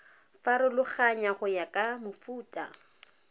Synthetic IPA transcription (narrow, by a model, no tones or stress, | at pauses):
faɾɪlʊχaɲaχʊjakʼamʊfuːtʼa̰